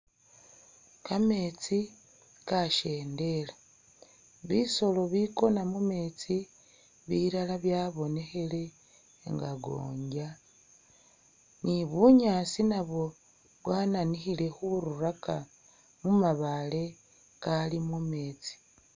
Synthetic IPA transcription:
kame̞t͡si | kaʃe̞ːnde̞la | βiso̞lo̞βiko̞namume̞ːt͡si | βiɾalaβjaβo̞ne̞xe̞le̞ | ŋɡaɡo̞̰ːɲɟa | niβuɲaːsinaβo̞ | βwaːnanixile̞xuɾuɾaka | mumaβale̞ | kalimume̞ːt͡si̥

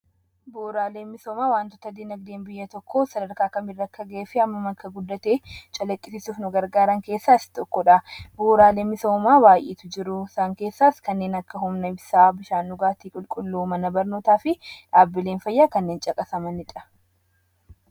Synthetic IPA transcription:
boːɾaːleːnmɪso̞ːmaːwaːnt̪ɔt̪ɐd̪inɐɡ̚d̪eːnbɪjːɐt̪ɔkʰːoːsɐd̪ɐɾkaːkɐmɪrːɐkːɐɡɐeːfɪɐmːɐmɐkʰːɐɡʊd̪ːɐt̪eːt͡ʃʼɐlɐkʼːɪsɪsuːfnʊɡɐɾɡaːɾɐŋke̞ːsːaːst̪ɔkːɔᶑɐboːɾaːleːmːɪso̞ːmaːbaːjʔeːt̪ʊd͡ʒɪɾʊɪsaːŋke̞ːsːaːskɐnːe̞ːnɐkːɐɦʊmnɐɪbsaːbɪʃaːnːʊɡaːt̪iːkʼʊlkʼʊlːuːmɐnɐbɐɾnoːt̪aːfɪᶑaːbːɪle̞ːnfɐjːaːkɐnːeːnt͡ʃʼɐkʼɐsɐmɐnɪᶑɐ̥

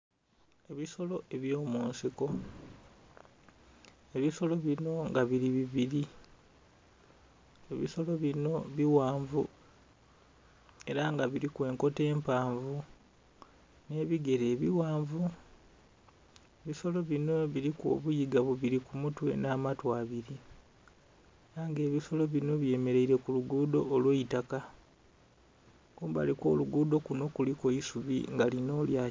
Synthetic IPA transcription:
e̞βiso̞lo̞e̞βjoːmuːnsiko̞ | e̞βiso̞lo̞βino̞ŋɡaβiɾiβiβiɾi | e̞βiso̞lo̞βino̞βiwaːɱvṵ | e̞ɾaŋɡaβiɾikwe̞ːŋko̞te̞ːmpaːɱvu | ne̞βiɡe̞ɾe̞ːβiwaːɱvu | eβiso̞lo̞βino̞βiɾikwo̰ːβujiɡaβoβiɾikumutwe̞̰naːmatwaːβiɾi | ɾaŋɡe̞ːβiso̞lo̞βino̞βje̞ːme̞ɾe̞jiɾe̞kuluɡuːdo̞ːlweitaka | kuːmba̰likwo̞̰ːluɡuːdo̞kuno̞kulikoisuβḭŋɡalino̞ːljaː

